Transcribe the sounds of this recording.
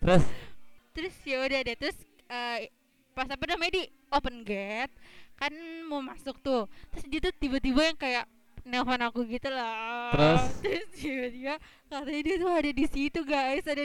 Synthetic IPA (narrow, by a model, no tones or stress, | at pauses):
t̪ɾʊst̪ɾʊsjaudadat̪ɾʊs | əː | pasapədamaadi | opənɡɛt̪̚kanmomasʊk̚t̪ʊt̪ɾʊsdiat̪ut̪ibat̪ibajaŋkajaʔ | nɛlfanakuɡit̪ulaɾʊst̪ɾʊsibat̪iba | kat̪aɲadiat̪ʊadadisit̪uɡajsada